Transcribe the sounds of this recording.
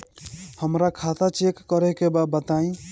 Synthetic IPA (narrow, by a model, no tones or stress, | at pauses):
həmɾakʰat̪at͡ʃekːəɾɛkebabət̪aĩ